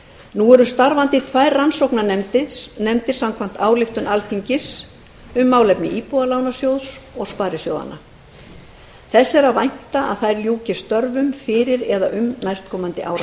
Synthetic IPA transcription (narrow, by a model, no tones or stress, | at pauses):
nuɛɾʏst̪aɾvant̪ɪt̪ʰvajɾransowknanɛmt̪ɪðnɛmt̪ɪɾ̥samkʰvam̥t̪aːwlɪxt̪ʏnʔalt̪ʰiɲcɪs | ʏmːaːwlɛpnɪ̰ʔiːpualaːwnasjowðsɔɣspaːɾɪsjo̰wða̰na̰ | θɛsːɛɾaðvajn̥t̪aa̰ðθajɾljuːcɪ̥st̪œɾvʏmfɪɾɪɾɛða̰ʔʏmnajst̪̚kʰɔːmant̪ɪʔa̰wɾa